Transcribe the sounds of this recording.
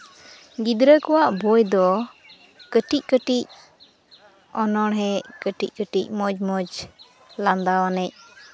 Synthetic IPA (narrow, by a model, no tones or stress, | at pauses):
ɡid̪ɾəkɔwaʔbɔjd̪ɔ | kəʈic̚ˀkəʈic̚ | ɔnɔɽɦɛkəʈic̚kəʈic̚ˀmɔd͡ʒmɔd͡ʒ | land̪awanɛc̚